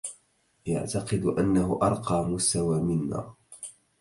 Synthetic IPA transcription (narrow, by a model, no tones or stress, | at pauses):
ja̰ʕt̪ɑqɨd̪ʔanːahʊʔɑɾˤqɑːmʊst̪awaːmɪnːa̰ː